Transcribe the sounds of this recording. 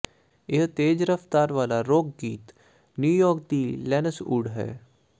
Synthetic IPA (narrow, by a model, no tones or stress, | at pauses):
ɪɦt̪eːd͡ʒɾəft̪aːɾʋaːlaɾoːkɡiːt̪ | njuːjɔːk̚d̪ilɛːnəsṵːɽɦɛ̰ː